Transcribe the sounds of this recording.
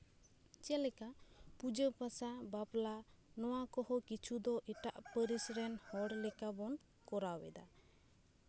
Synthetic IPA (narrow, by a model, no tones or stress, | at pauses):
t͡ʃɛlɛkapud͡ʒəpasabaplanɔwakɔhɔkit͡ʃʰud̪ɔʔɛʈaʔpəɾisɾɛnhɔɽlɛkabɔn | kɔɾawɛ̰d̪a